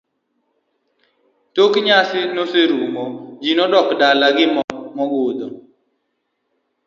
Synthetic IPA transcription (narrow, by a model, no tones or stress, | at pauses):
tokɲasɪnoseɾumod͡ʒinɔdɔkdalaɡɪmɔmɔɡod̪ɔ